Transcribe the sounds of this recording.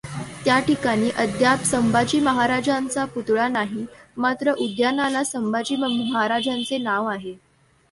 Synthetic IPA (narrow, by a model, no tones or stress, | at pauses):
t̪jaʈikaɽ̃iːʔəd̪japsəmbad͡ʑiːməɦaɾad͡ʑant͡saput̪ɭanaɦimat̪ɾəʔud̪janalasəmbad͡ʑiːməɦaɾad͡ʑant͡senaʋaɦe